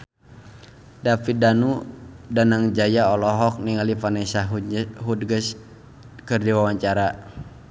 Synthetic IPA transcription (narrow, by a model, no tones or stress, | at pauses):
dafidanudanaŋd͡ʒajaɔlɔɦɔk̚niŋalifanɛsaɦɦudɡəs | kərdiwawaɲt͡ʃaɾa